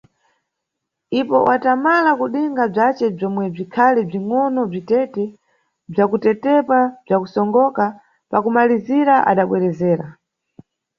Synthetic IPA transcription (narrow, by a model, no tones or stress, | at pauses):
ipɔ̰wʔatamalakuɗiŋɡab͡ʐat͡ʃɛb͡ʐɔmwɛb͡ʐikʰalib͡ʐiŋɔnɔb͡ʐitɛtɛ | b͡ʐakutɛtɛpab͡ʐakusɔŋɡɔka | pakumaliziɾaʔa̰ɗaɓwɛɾɛzɛːɾa